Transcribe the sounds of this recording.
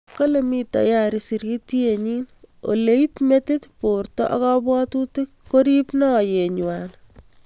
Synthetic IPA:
kolemita̰jaɾisiɾitieɲino̰leipmetɪtportɔ̰ʔɔkɔbwɔtutɪkːoɾipnɔjeɲwan

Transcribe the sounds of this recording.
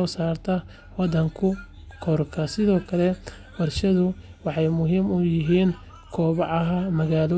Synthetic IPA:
ɔːsaːrt̪ʰɐ | wɑd̪ɐŋkʰʊ | kʰɔrkʰɐsɪðɔːkʰɐlɛ | wɑrʃɐðʊ | wɑħɑjmʊɦiːmʊjɪɦiːn | kʰɔːβɑʕɑɦɐmɐɣaːlɔː

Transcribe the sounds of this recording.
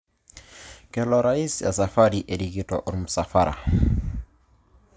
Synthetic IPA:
kɛlɔɾaisa̰safaɾiʔeɾiɡitɔʔuɾmusafaɾa̰

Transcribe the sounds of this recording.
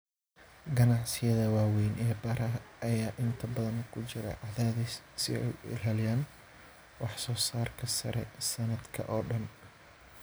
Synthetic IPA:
ɡɐnɑʕsɪjɐðɐwaːwɛjnʔɛːbɐɾɐʔɐjaːʔɪnt̪ʰɐbɐðɐnkʰʊt͡ʃɪɾɛ̰ʕɑðaːði | sɪ̰ɛ̰jɪ̰laːljaːn | wɑħsɔːsaːrkʰɐsɐ̰ɾɛ̰sɐnɐd̪kʰɐ̰ʔɔːɖɐn

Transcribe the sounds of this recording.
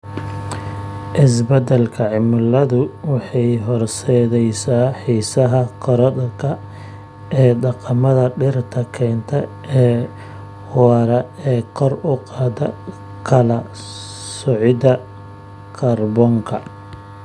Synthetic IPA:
ʔɪs̬bɐd̪ɐlkʰɐʕɪmʊlɐðʊwɑħɑjɦɔrsɛːðɛjsaːħiːsɐɦɐkʰɔɾɐdkʰɐ | ɛːɖɑqɑmɐðɐɖɪrt̪ʰɐkʰɛːnt̪ʰɐʔɛː | wɑːɾɐɛːqʰɔrʊqɑːd̪ɐ̰ | kʰɐlɐ | sʊʕɪd̪ɐ | kʰɐrbɔːŋkʰɐ

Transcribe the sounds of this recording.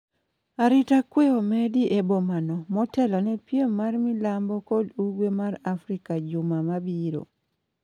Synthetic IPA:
aɾitakweomediʔebomanɔmɔtɛlɔnɛpjemarmilambɔkɔduɡwemaɾafɾikad͡ʒʊmamabiɾo̰

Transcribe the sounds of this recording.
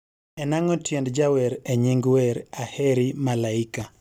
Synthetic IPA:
ɛnaŋɔtjɛndd͡ʒawɛɾeɲɪŋɡwɛɾahɛɾimalaika

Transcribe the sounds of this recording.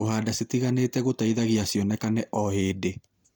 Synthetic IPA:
ohaːdasetiɣaneːtɛɣotaiðaɣiasjɔnɛkanɛʔɔheːde

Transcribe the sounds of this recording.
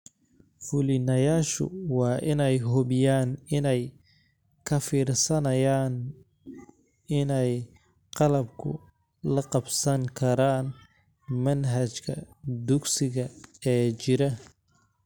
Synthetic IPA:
fʊlɪnɐjaːʃʊ̰wɑːʔɪnɛjɦʊβɪjaːnɪnɛj | kʰɐfiːrsɐnɐjaːn | ɪnɛj | qɑlɐbkʰʊ̰ | lɐqɑbsɐŋkʰɐɾaːn | mɐnɦɐt͡ʃkʰɐd̪ʊɡsɪɣɐɛːt͡ʃɪɾɐ

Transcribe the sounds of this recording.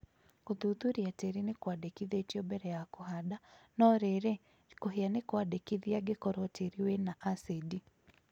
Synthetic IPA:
kuðuðuɾiateɾinekwadekiðetiɔbɛɾɛjakuɦadanɔɾeɾɛ | koɦeanekwaɗekiðiaɡekɔɾɔtʰeɾiwɛnaʔasedi

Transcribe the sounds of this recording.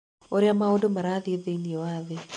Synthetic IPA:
oɾjamaodomaɾaðɪeðeniewaðɪ

